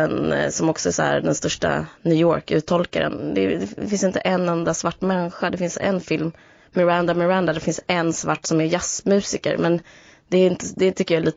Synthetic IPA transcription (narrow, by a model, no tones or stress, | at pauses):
ɛnsɔmɔksɔɛshæ̰ɾɖɛnst̪œʂʈa̰nʉːjɔːɾkʉ̟ːt̪ʰɔlka̰ɾə̰nd̪ɛd̪ɛfɪnsɪnt̪əʔɛnːɛnd̪asvaʈːmɛnːɪɧad̪ɛfɪnsɛ̰nfɪlmː | ɛɾand̪amɛɾand̪ad̪ɛfɪnsɛnːsvaʈːsɔmɛɾjasmʉ̟ːsɪkə̰ɾmɛn | d̪ɛːɾɪnt̪əd̪ɛt̪ʰʏkːəjɑːliːt̪